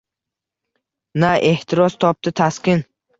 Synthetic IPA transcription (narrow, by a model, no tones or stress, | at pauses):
naʔe̞ht̪ʰɪɾɒst̪ʰɒp̚t̪ɪt̪ʰaskʲɪn